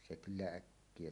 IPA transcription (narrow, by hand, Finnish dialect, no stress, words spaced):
se kylːæ ækːie